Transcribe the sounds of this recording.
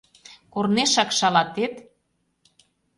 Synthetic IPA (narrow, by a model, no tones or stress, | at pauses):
korneʃɑkʃɑlɑt̪et̪